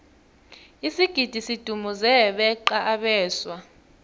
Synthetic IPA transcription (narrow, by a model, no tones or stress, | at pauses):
isiɡ̥ʱid̥ʱisid̥ʱumuzɛɓɛǃaʔaɓɛːswa